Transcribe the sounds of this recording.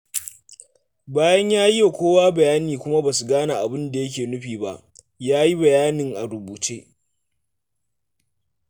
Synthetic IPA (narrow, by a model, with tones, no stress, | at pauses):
baː˦jɐ˦ɲjaː˦ji˦ja˨kʷoː˦waː˦bɐ˨jaː˦niː˨kʷʊ˦ma˦baː˨su˨ɡaː˦na˨ʔa̰˨bɪ˦nda˨jɐ˦k̬ʲeː˨nʊ˦ɸiː˨ba̰˦ʔ | jaː˦ji˦bɐ˨jaː˦nɪ˨ŋʔa̰˨ɾʊ˨buː˨t͡ʃeː˦